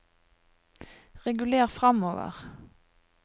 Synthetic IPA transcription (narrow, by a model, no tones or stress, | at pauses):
ʁɛɡʉleːʁfʁɑmoːʋə̰ʁ